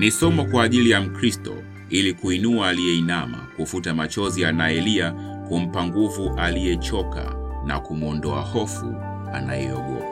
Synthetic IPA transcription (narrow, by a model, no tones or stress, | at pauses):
nisɔmɔkwaːʄilijam̩kɾistɔ̰ | ilikuinuaːlijɛinama̰kufutamat͡ʃɔzianaɛlia | kum̩paŋɡuvuʔalijɛt͡ʃɔka̰ | na̰kumɔndɔahɔfṵ | ana̰jɛ̰ɔ̰ɠɔ̰a